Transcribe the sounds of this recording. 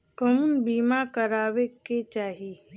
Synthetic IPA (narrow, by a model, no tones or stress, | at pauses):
kəmunbiːmakəɾaːʋeket͡ʃaːɦi